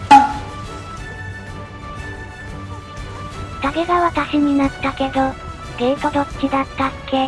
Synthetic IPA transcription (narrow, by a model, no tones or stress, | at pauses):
d̪̥aɡe̞ɡaβat̪aɕiɲ̟inat̪ːake̞d̪o̞ | d̪eːkod̪okʲːid̪at̪ːakːe̞